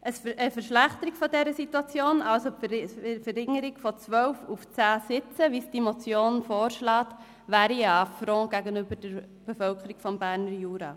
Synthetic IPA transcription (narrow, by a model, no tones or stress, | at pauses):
ʔəsəfəɾʃlæχtəɾiɡ̥fɔdɛɾəsituɑt͡sjoːnʔɑlsofəɾɪŋəɾɪɡfɔt͡sʋœwfuft͡sæːsɪt͡səʋisd̥imot͡sjoːnfoːɾʃlɑːt | ʋæːɾiɑfɾɔ̃ːɡ̥æɡənʏbəd̥əɾ | b̥efœlkəɾiɡ̥fɔmbæːɾnəɾjuːɾɑ̰ː